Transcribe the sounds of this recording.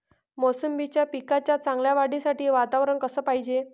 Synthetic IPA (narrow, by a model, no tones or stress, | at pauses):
mosəmbit͡ɕjapikat͡ɕjat͡sãŋɡljaʋaɽisaʈiːʋat̪aʋɾəɳkəsəːpaɦid͡ʑe